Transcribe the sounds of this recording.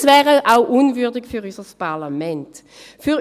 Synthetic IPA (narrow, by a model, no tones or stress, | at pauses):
svɛːʁəʔaʊʔunvʏɐdɪɡfyʁysəspʰaɐlamɛnt | fyʁ